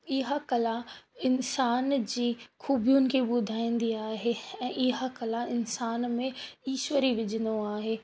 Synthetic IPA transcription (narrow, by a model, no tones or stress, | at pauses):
ɪɦakɐlãɪnsaːnd͡ʑiːxuːbijʊnɪ̆kʰeɓʊd̪ʱaːĩːn̆d̪iaːɦeɛ̃ːʔɪɦakɐlaɪnsaːnmẽiːʃʋəɾiʋɪd͡ʑʱə̃nd̪oaːɦeː